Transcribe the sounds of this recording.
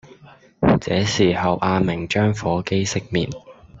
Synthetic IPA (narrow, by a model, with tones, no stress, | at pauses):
t͡sɛ̰ː˨˥siː˨˩hɐ˨wʔaː˧mɪ˨˩ŋt͡ʃœː˥ŋfɔː˨˥ke˥jsɪ˥k̚mḭː˨˩n